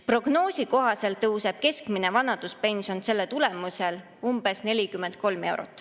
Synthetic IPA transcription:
pro̞ɡno̞ːsiko̞ɦɑse̞lt̪ɤwse̞b̥̚ke̞skmine̞vɑnɑd̪̥uspe̞nʲsio̞nse̞lːet̪ule̞muse̞l | umb̥e̞sne̞lʲikymːend̪̥̚ko̞lme̞wɾo̰t̪ːˑ

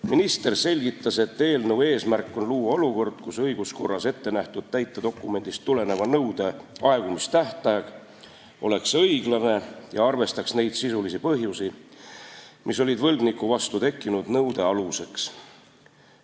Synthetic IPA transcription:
minist̪e̞rse̞lʲɡ̥it̪ːɑse̞t̪ːe̞ːlnɤwe̞ːsmærkːˑo̞nluːɑo̞luko̞rd̪̥kusɤjɡ̥usko̞̰rːɑse̞t̪ːe̞næht̪ud̪̥̚t̪æjt̪ːˑed̪o̞kˑːume̞nʲd̪̥ist̪ːule̞ne̞vɑnɤwd̪̥e̞ɑe̞ɡ̥umist̪æht̪ˑɑjɑɡ̥ | o̞̰le̞ksɤjɡ̥lɑne̞jɑɑrve̞st̪ɑksne̞jd̪̥sisulisipɤɦjusi | miso̞lʲid̪vɤlɡ̥nikːˑuvɑst̪ut̪e̞kːinud̪̥nɤwd̪̥e̞ɑluse̞ks

